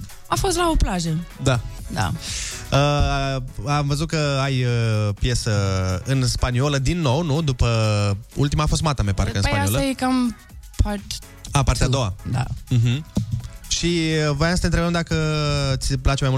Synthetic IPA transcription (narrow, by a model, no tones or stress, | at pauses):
afost̪laoplaʒəd̪ad̪a̰ə | amvəzut̪̚kəajəpje̞səɨnspanioləd̪inːo̞wnud̪upəṵlt̪imaːfo̞s̬t̪mat̪amepa̰ɾkəɨnspanaolajekam | pʰaɾt̪ | apaɾrt̪ead̪o̞wad̪a̰ɦm̩ | ʃivojamsə̥t̪ent̪ɾebəmd̪akət̪sʲplat͡ʃemajmul